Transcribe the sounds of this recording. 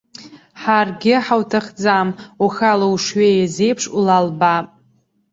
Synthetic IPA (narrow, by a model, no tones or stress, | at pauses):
ħarɡʲɪħawtʰaχd͡zamuxalauʂɥejazejpʰʂulalbapʼ